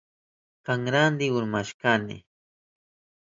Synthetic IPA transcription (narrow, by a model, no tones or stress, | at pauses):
kaŋɾand̪ɪʊɾmaʃkanɪ̰